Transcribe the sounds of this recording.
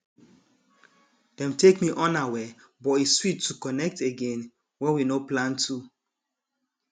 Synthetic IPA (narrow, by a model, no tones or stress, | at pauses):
d̥ɛ̃mtekmiʔɔ̃nawɛ | bɔiswitʰːukɔnɛk̚teɡẽn | wɛ̃winoplãntʰu